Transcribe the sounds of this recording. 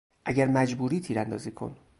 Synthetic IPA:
ʔæɟæɾmæd͡ʒbuːɾiːt̪ʰiːɾænd̪ɒ̰ːziːkʰo̞̰n

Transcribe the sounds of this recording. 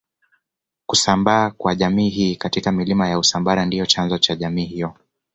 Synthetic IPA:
kusambaːkwaʄamiːɦiːkatikamilimajausambaɾandijɔt͡ʃanzɔt͡ʃaʄamiːhijɔ

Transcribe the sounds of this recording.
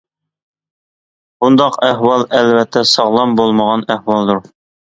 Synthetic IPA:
bund̪ɑqæhwɑlˠælvæt̪ʰːæsɑʁlˠɑmbolˠmɑʁɑnæhwɑlˠd̪uɾ

